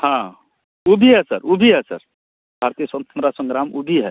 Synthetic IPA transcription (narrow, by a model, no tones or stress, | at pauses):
hã | ubʱiɦɛsə̰ɾubʱiɦɛsə̰ɾ | bʱaɾt̪ijəsənt̪ʰəmɾasə̃ŋɡɾamubʱiɦɛ